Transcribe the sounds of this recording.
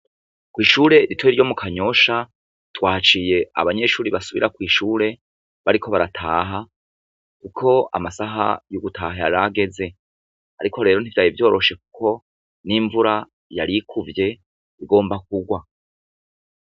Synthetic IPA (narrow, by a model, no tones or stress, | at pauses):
kwiːʃuːɾe̞ɾitweɾɟo̞mukʰaɲo̞ʃa | twaːt͡ʃiːje̞a̰βaɲe̞ʃuːɾiβasuβḭɾʔakwiːʃuːɾe̞ | βaɾikʰo̞βaɾatʰaːɦa | kukʰo̞a̰masaɦa̰juɡutʰaːhajaɾaɡe̞ze̞ | aɾiko̞ɾe̞ːɾo̞n̥ivjaːjivjo̞ːɾo̞ʃe̞ku̥ko̞ | niɱvuɾa | jaɾikʰuvje̞ | iɡo̞ːmbak̚uɡwa